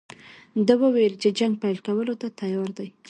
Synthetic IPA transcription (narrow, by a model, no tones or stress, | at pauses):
d̪əwəwelt͡ʃed͡ʒaŋɡ̚pajlkawəlot̪at̪ajɑɾd̪aj